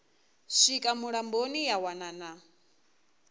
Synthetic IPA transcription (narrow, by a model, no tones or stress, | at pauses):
ʃikʼamuɺambonijawanana